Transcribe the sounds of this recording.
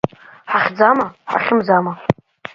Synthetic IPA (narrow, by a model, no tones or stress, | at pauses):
ħaχʲd͡zamaħa̰χʲɪmd͡zama